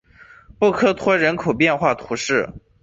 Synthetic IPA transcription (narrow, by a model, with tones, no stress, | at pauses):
pu˥˩kʰɤ˥t̪ʰwɔ˥ɻə˧˥nkʰo˨˩ʊpjɛ˥˧nxwa˥˩t̪ʰu˧˥ʂɻ̩˥˩